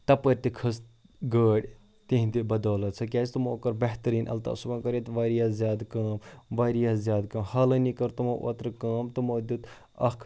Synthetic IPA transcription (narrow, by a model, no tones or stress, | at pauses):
t̪ɐpəɾʲt̪ikʰɐs | ɡəːɽʲ | t̪ĩɦd̪ibɐd̪oːlɐt̪t͡sʰɐkʲaːt͡st̪umoːkɐɾbɐht̪ɐɾiːnʔɐ̰lt̪a̰ːsubɐ̃ːkɐɾet̪ʋaːɾiːazjaːd̪kaːmʋaːɾiɐzjaːd̪kɐmhɐːlɐnikɐɾt̪umoːʔo̰ːt̪ɾkaːmt̪umoːd̪ut̪ | ɐ̰kʰ